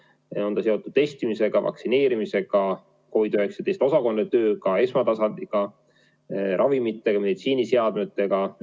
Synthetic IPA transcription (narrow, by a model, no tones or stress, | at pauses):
o̞nd̪ɑse̞o̞t̪ːˑud̪̥t̪ːe̞st̪imise̞ɡ̥ɑvɑ̰ksine̞ːɾimise̞ɡ̥ɑ | ko̞jd̪yhe̞kse̥d̪e̞jst̪osɑko̞nːet̪ø̞ːkɑe̞smɑt̪ɑsɑnd̪̥iɡ̥ɑ | ɾʔɑvimit̪ˑːe̞ɡ̥ɑmed̪it̪siːnise̞ɑd̪met̪ːˑe̞ɡ̥ɑ